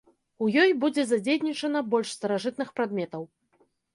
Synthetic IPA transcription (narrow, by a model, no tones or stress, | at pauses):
ujɔjbud͡zʲɛzad͡zʲejnʲit͡ʂɐnɐbɔlʲʂst̪ɐɾaʐɨt̪nɨxpɾad̪mʲɛt̪ɐw